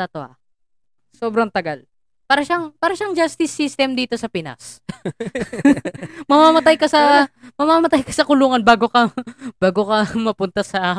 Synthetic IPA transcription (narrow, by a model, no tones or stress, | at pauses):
t̪ɐt̪oa̰ | so̞ːbɾɐŋt̪ɐɡal | paːɾɐʃaŋpaːɾɐʃaŋd͡ʒast̪ɪsːist̪ɛmd̪iːt̪o̞sɐpɪna̰s | mɐmamɐt̪ajkɐsɐmɐmaːmɐt̪ajkɐsɐkʊluːŋɐnbaːɡokɐb̥aːɡokɐmɐpʊnt̪ɐsɐ